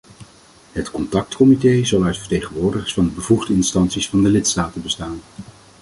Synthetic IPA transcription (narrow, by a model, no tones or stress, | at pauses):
ɦətkɔntɑk̚tkɔmitejzɑlˠœɥtfəɹtejχənʋʊːɹdəχəsfɑndəbəvuχdəɪnstɑnsisfɑndəlɪtstaːtəbəstaːn